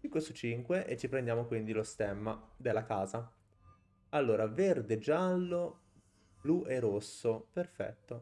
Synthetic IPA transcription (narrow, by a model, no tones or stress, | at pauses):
iŋkwesut͡ʃːiŋkweʔet͡ʃːipɾend̪jaːmokwind̪ilost̪ɛmːad̪elːakaːza | alːoːɾaverd̪ed͡ʒalːo | bluʔerosːoperfɛ̰t̪ːo